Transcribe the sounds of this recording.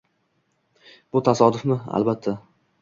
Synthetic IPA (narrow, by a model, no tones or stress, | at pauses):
b̥ʊt̪ʰasɒd̪ʊfmɪa̰lbat̪ʰːa